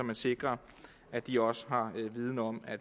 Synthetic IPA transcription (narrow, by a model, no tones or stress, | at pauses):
ɒ̽mænse̝ɡ̥ʁɐ | ʔæd̥iɒ̽səɦɑ̈ʋið̞ˠnəɒ̽mæ